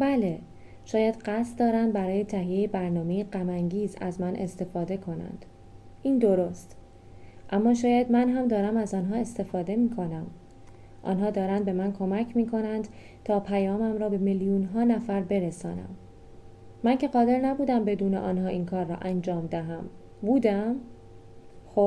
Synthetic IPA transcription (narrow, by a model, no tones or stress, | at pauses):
bæle̞ | ʃɒːjæd̪ɢæst̪̚d̪ɒːɾænd̪bæɾɒːje̞t̪ʰæɦijejebæɾnɒːmejeɢæmæŋɟiːzæ̰zmænʔe̞̰st̪e̞fɒːd̪e̞kʰo̞næ̰nd̪̥ | iːnd̪o̞ɾost̪ | ʔæmːɒːʃɒːjæd̪mænɦæmd̪ɒːɾæmæzɒːnɦɒːe̞st̪e̞fɒːd̪e̞miːkʰo̞næm | ʔɒ̰nɦɒːd̪ɒːɾænd̪̚be̞mænkʰo̞mæcʰmiːkʰo̞nænd̪ | t̪ʰɒːpʰæjɒːmæmɾɒːbe̞meljuːnɦɒːnæfæɾbe̞ɾesɒ̰ːnæ̰mː | æncʰe̞ɣɒːd̪e̞ɾnæbuːd̪æmbe̞d̪uːneʔɒːnɦɒːʔiːnkʰɒːɾːɒ̰ːʔænd͡ʒɒːmd̪æɦæm | buːd̪æm | xob